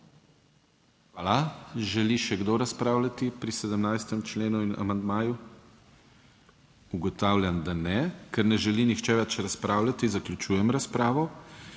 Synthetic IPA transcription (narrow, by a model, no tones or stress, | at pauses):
xʋaːlaʒɛliʃɛɡd̪oɾaspɾaːwlʲat̪ipɾisɛd̪əmnajst̪əmt͡ʃleːnuina̰mand̪maːju | uɡɔt̪aːwlʲjand̪anɛkɛɾnɛʒɛlinixt͡ʃɛʋɛt͡ʃɾaspɾaːwlʲat̪izaklʲut͡ʃuːjɛmɾaspɾaːʋɔ